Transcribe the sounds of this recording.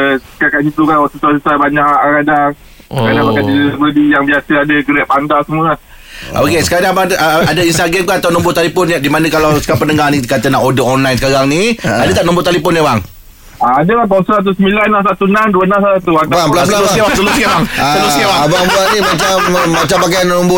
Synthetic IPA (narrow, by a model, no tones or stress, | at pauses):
kakaʔd͡ʒit̪ukanwasusuasəsabaɲaʔʔkadaŋ | kanamakant̪idəbədijaŋbiasəadəɡəɾɛʔpand̪asəmuəla | ʔo̰kesə̥kaɾaŋbaʔəadainst̪aɡɛmkaat̪awnɔ̃mbʊt̪alepɔnjadimanə̃kalawsəkapənəŋahnikat̪ənaʔodəɔnlajnsəkaɾaŋniadət̪aʔnɔ̃mbʊt̪alepɔnjabaŋ | aadəkat̪̬asəɾat̪̬usəmilanːas̬at̪unãnduənãnsaat̪uatbbaəlabəlaəlusibasəlusiabaŋasəlusiababaŋbuanimat͡ʃammat͡ʃampak̬ajannɔmbʊ